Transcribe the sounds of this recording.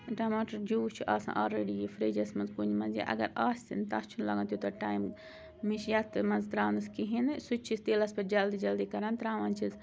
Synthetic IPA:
ʈaːmaːʈɐɾd͡ʒuːt͡ʃʰuʔaːsã̰ːʔoːlɾeːɖijfʰɾeːd͡ʒɐsmɐnzkund͡ʒmɐnzja̰ʔɐ̰ɡɐ̰ɾaːst̪int̪ast͡ʃʰunlaːɡãnt̪ʲjot̪ɐʈaːjm | miʃjaːt̪mɐnzt̪ɾaːnɐskiɦinsut͡ʃʰist̪eːlɐspɐd͡ʒɐld̪id͡ʒɐld̪iːkɐɾaːnt̪ɾaːʋant͡ʃʰiz

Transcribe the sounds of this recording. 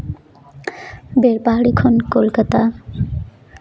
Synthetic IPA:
beɾpaɦaɽikʰonkolkat̪a

